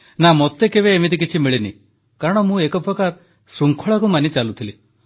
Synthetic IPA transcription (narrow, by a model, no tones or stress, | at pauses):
namot̪ːekeβeːmid̪ik̬it͡ʃʰimiɭinḭ | kaɾɔɽ̃ɔmũekɔpɾɔkaɾ | suŋkʰɔɭakumanit͡ʃalut̪ʰili